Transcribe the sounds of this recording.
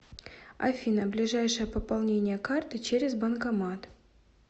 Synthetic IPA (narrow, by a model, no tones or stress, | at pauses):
ɐ̰fʲinəblʲɪʐajʂəjəpəpalˠnʲenʲɪjəkart̪ɨt͡ɕeɾʲɪzbɐnkɐmat̪